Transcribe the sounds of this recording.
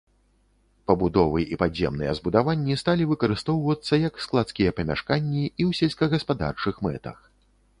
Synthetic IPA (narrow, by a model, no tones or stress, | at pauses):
pɐbud̪ɔvɨʔipazʲjɛ̰mnɨjɛ̰zbud̪avanʲːist̪alʲivɨkɐɾɨst̪ɔwvɐt̪sːɐjɐksklˠat̪skʲijɐpɐmʲa̰ʂkanʲːiiwsʲɛlʲskɐɣɐspad̪a̰rt͡ʂɨxmɛ̰t̪ɐ̰x